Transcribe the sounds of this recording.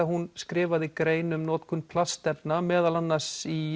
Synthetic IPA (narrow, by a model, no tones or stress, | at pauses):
ahunskɾɪːvaðikɾeːjnʏmnɔːt̪kʰʏnpʰlast̪ɛp̪namɛːðalanːar̥si